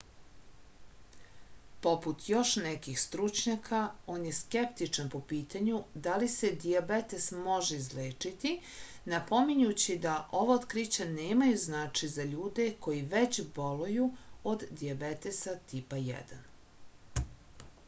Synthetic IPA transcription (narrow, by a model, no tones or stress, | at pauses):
po̞put̪jo̞ʃnɛkixst̪ɾut͡ʃɲakʰao̞ːnjeskept̪it͡ʃanpo̞piːt̪aɲud̪alise̞d̪iabet̪e̞smo̞ʒeizleːt͡ʂit̪i | napo̞miɲut͡ɕid̪aʔo̞ʋaot̪kɾit͡ɕaneːmajuznaːt͡ʂizaʎuːd̪e̞ko̞jiʋet͡ɕbolujuod̪d̪iabet̪esat̪ipajɛ̰d̪an